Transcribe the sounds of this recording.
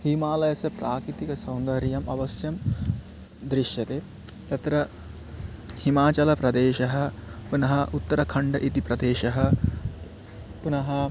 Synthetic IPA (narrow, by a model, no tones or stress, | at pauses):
hiːmaːlɐjɐsɐpɾaːkɾit̪ikɐsɐ̃wnd̪ɐɾjɐmɐʋɐsjɐm | d̪ɾiʃjɐt̪eː | t̪ɐt̪ɾɐ | himaːt͡ʃɐlɐpɾɐd̪eːʃɐɦɐ̆punɐɦɐʔut̪ːɐɾɐkʰɐɳɖɐʔit̪ipɾɐd̪eːʃɐɦɐ | punɐɦɐ